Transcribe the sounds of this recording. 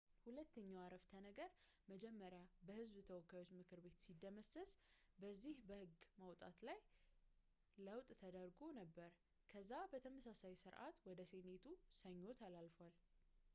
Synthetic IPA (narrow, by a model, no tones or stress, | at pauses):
hulət̪ːəɲːawaɾəft̪ʰənəɡəɾ | məd͡ʒɛmːəɾjabəhɨzbt̪ʰəwɔkːajwot͡ʃːmɨkɨɾbe̞t̪sid̪ːəməsəsbəzːihbəhɨɡməwt̪ʼa̰t̪laj | ləwt̪ʼt̪ʰəd̪əɾɡo̞nəbːəɾ | kʰəzːabət̪ʰəməsasajsɨɾʔa̰t̪wɔd̪əse̞ne̞t̪ʰusəɲːo̞t̪ʰalalfal